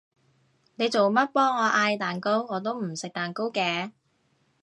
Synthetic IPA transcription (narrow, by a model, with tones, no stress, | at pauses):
ne˨˧jt͡so˨wmɐ˥t̚pɔː˥ŋɔː˨˧ʔaː˧jt̪aː˨˩nko˥wŋɔː˨˧t̪o˥wm̩˨˩sɪ˨k̚t̪aː˨nko˥wkɛː˨˧